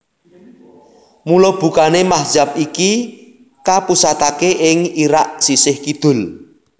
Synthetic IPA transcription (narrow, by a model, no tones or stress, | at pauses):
mulob̥ṳkanemahd͡ʒap̚iki | kapusat̪akeʔɪŋiɾaʔsisɪhkid̪̥ʊ̤l